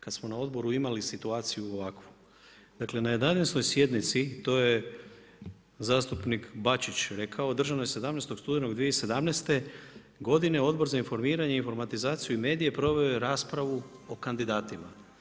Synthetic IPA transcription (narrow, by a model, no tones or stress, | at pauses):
kad̪smo̞nao̞d̪bo̞ɾuimalisit̪uaːt̪sijuoʋakʋu | d̪akle̞najed̪anesno̞jsje̞d̪nit̪sit̪o̞je | zaːst̪upnikbat͡ʃit͡ɕɾe̞kʰaod̪r̩ʒanojese̞d̪amnest̪o̞kst̪uːd̪eno̞ɡd̪ʋieise̞d̪amnest̪e̞ | ɡo̞d̪ine̞o̞d̪bo̞ɾzainfo̞ɾmiːɾaɲe̞info̞ɾmat̪izaːt̪sijuime̞ːd̪ije̞pɾo̞ʋe̞oɾaːspɾaʋuo̞kand̪id̪aːt̪ima̰